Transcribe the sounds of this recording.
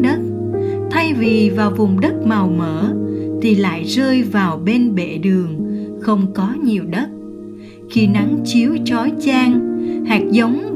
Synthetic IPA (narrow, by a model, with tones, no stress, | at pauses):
ɗə˦˥t̚ | t̪ʰa˧jvi˨˩vaː˨˩wvʊ˨˩ŋ͡mɗə˦˥t̚ma˨˩wməː˧˩t̪ʰi˨˩la̰ː˧˨jzəː˧jvaː˨˩wɓe˧nɓḛ˧˨ɗɨ˨˩əŋxə˧wŋ͡mkɔ˨˦ɲi˨˩əwɗə˦˥t̚ | xi˧na˨˦ŋt͡ɕi˨˦əwt͡ɕɔ˨˦jt͡ɕaː˧ŋhaː˨˩k̚zə˨˦wŋ͡m